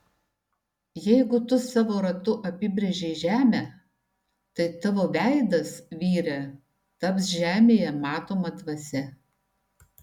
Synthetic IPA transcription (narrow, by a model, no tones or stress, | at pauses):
jɛɪɡʊt̪ʊsɑːʋoːɾɐt̪ʊʔɐpʲɪbʲɾʲeʒʲɛɪʒʲæːmʲæ | t̪ɐɪt̪ɑʋoːʋʲæˑɪd̪ɐsʋʲiːɾʲɛ | t̪ɐpsʒʲæːmʲeːjɛmɑːt̪oːmɐd̪ʋɐsʲɛ